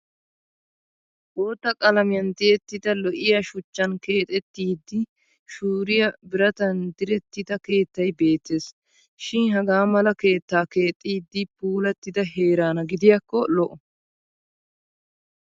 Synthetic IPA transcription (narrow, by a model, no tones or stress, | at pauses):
ʔoːt̪ːɐkʼɐlɐmɪjɐnd̪ɪt̪ːɪd̪ɐlɔʔɪjɐʃʊt͡ʃːɐnke̞ːt̪ʼɛt̪ːiːd̪ːɪ | ʃuːɾɪjɐbɪɾɐt̪ɐnd̪ɪɾɛt̪ːɪd̪ɐke̞ːt̪ːɐjbe̞ːt̪ːeːs | ʃɪnɦɐɡaːmɐlɐke̞ːt̪ːaːke̞ːt̪ʼːiːd̪ːɪpuːlɐt̪ːɪd̪ɐɦe̞ːɾaːnɐɡɪd̪ɪjɐkːɔlɔʔɔ